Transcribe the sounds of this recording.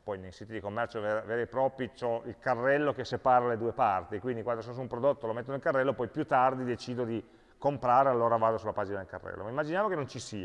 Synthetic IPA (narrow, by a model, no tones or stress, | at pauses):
pɔjnejsiːt̪id̪ikomːɛrt͡ʃoveɾveːɾepɾɔpit͡ʃɔilkarːɛlːokesːepaːɾaled̪uːepart̪ikwind̪ikwand̪osonosumpɾod̪ot̪ːolomet̪ːonelkarːɛlːopɔjpjut̪ːard̪id̪et͡ʃiːd̪od̪i | kompɾaːɾealːoːɾavaːd̪osulːapaːd͡ʒinad̪elkarːɛ̰lːo̰maimːad͡ʒinjaːmokenont͡ʃisiːa